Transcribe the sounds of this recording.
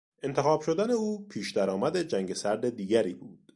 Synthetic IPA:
ʔe̞nt̪ʰexɒːb̥ʃo̞d̪æne̞uːpʰiːʃd̪æɾɒːmæd̪e̞d͡ʒæŋɟe̞sæɾd̪e̞d̪iːɡæɾiːbuːd̪̥

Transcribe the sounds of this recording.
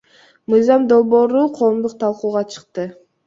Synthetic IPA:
mɯjzɑmd̪o̞lˠbo̞ːɾuqʰo̞ːmd̪uq̚t̪ʰɑlˠquːʁɑt͡ʃʰɯ̥q̚t̪ɯ

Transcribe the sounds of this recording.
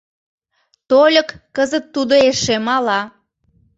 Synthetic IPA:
t̪olʲəkːəzət̪ːud̪oeʃemɑlɑ

